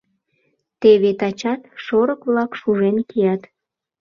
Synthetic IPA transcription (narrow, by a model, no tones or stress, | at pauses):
t̪eβet̪ɑt͡ɕɑt̪ʃoɾəkβlɑkʃuʒenkijɑt̪